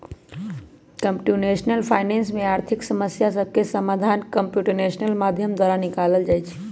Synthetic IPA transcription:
kəmpʈunesnəlpʰaːɪneːnsmeaːɾt̪ʰiksəməsjasəb̚ʱkesəmad̪ʱankəmpjuʈəɾnesnəlmad̪ʱjəmd̪waɾanikaləld͡ʒaːjt͡ʃʰ

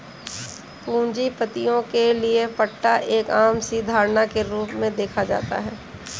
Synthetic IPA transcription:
kũːɲd͡ʒipət̪ijõkeliepəʈːaʔeːkaːmsiːd̪ʱaːɾnakeɾuːpmẽd̪eːkʰad͡ʒa̰ːt̪a̰ɦɛː

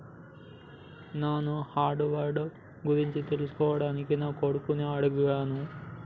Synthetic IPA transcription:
naːnuhaːɾɖɨʋarɖɨ | ɡuɾiɲt͡ɕut̪elusoːɐɽaːnikʲːinːakoɽukːuneɐɽuɡuɣɐɐnu

